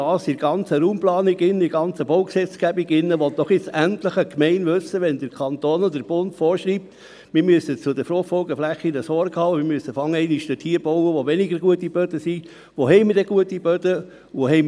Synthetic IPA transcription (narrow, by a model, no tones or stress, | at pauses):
ɑːsɪɾɡ̥ɑnt͡səɾuːmplɑːniɡɪnːəɪɡɑnt͡səbɔwksɛt͡sɡ̥æbiɡɪnːəʋɔt̪̚d̥ɔχjɪt͡sænt̪ləχəkmɛɪnʋɵsːəʋɛnd̥̪əɾkʰɑnt̪oːnɔd̪əɾb̥ʊntfɔːɾʃɾiːp̚t̪ | mɪɾmyəsət͡sʊdəfɾoχfɔlɡəflæχinəsɔɾɡhɑːmɪmyəsəfɑŋːəɛɪniʃtətʰiːɾb̥ɔwəʋoʋɛniɡəɾɡuətːib̥œdəsi | ʋoɦɛɪməɾdɛɡ̥uətib̥œdə | ohɛɪm